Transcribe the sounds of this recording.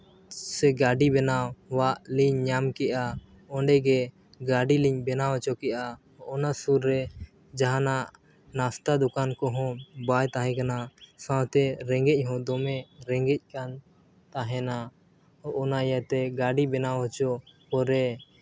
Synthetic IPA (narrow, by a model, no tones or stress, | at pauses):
sɛɡaɖibɛnawwaʔliɲːamkɛʔa | ɔɳɖɛɡɛ | ɡaɖiliɲbɛnawɔt͡ʃɔkɛʔa | ʔɔnasuɾːɛ | d͡ʒaɦanaʔ | nast̪ad̪ukankɔɦɔ̃bajt̪aɦɛ̃kanasãwt̪ɛɾɛŋɡɛc̚ˀɦɔ̃d̪ɔmɛɾɛŋɡɛc̚ˀkan | t̪aɦɛna | ʔɔnajat̪ɛɡaɖibɛnawɔt͡ʃɔpɔɾɛ